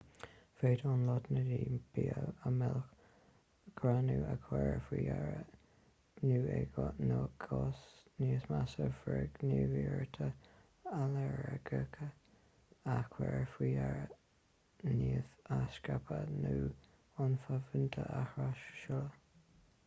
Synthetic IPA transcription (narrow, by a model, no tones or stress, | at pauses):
feːd̪ɔnlɔd̪nəɾiːb̥iːəəmɛlx | ɡ̥ʰɾanuːʔakʰwɛɹfwiːaɹə | nuːɛɡɔnɔɡʰɔsniːsmasəvɾɛɡniːviːɹt̪ʰə | alɛɹəɡəkʰə | akʰwɛɹfɾiːaɹə | niːəθaskapʰənuː | ʊnfavənt̪ʰəʔahɾaʃʃələ